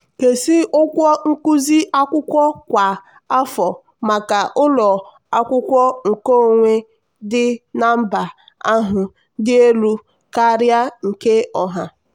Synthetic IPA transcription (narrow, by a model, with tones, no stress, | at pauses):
ke˨si˦ʊ˦kʷɔ˦ŋ̩˦kʊ˦zi˦ʔa˦kʷʊ˦kʷɔ˦kʷa˨ | a˦fɔ˨ | ma˨ka˨ʔʊ˦lɔ˨ | a˦kʷʊ˦kʷɔ˦ŋ̩˨ko˦˨ŋʷe˦ | dɪ˦na˦m̩˦ba˨ | a˦ɦʊ˨ | dɪ˦e˦lu˦ | ka˦ɾja˦ŋ̩˨ke˦ɔ˨ɦa˨